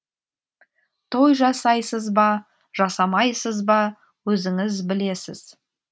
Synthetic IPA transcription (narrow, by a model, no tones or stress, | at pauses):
t̪ʰo̞jʒɑsɑjsəzbɑ | ʒ̥ɑsɑmɑjsəzbɑ | wɵzɪŋɪzbɪle̞sɪ̰z̥